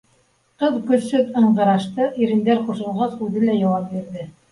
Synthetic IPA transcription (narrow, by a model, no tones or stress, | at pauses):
qɤðkɵ̆θsɵðɤ̆ɴʁɤ̆ɾɑʃt̪ɤʔiɾɘ̆nd̪æɾqŭʃɤ̆lˠʁɑsʉðɘlæjɑwɑp̚biɾðɘ